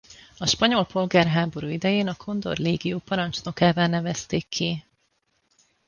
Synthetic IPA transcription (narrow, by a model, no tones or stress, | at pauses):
ɒʃpɒɲo̞lpo̞lɡaːrɦaːbo̞ɾuːid̪ɛjeːnɒkʰo̞nd̪o̞̰rleːɡijoːpɒɾɒnt͡ʃno̞kaːvaːnɛvɛst̪eːkʰːi